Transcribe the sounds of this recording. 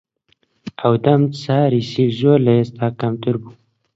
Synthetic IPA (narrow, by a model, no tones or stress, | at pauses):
awd̪amsaːɾisiʒoːlest̪aːkamt̪uɾbu